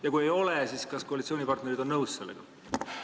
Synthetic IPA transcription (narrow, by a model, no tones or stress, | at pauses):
jɑkuje̞jo̞lesiːskɑskoɑlʲit̪sioːnipɑrt̪ne̞ɾid̪o̞nːnɤwsse̞lːeɡ̥ɑ̰